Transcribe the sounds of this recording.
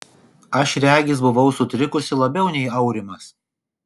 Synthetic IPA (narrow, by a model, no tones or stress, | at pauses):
ɐʃɾʲæːɡʲɪs̬bʊʋɐʊsʊt̪ʲɾʲɪkʊsʲɪlˠɐbʲɛʊnʲɛɪɐʊɾʲɪmɐs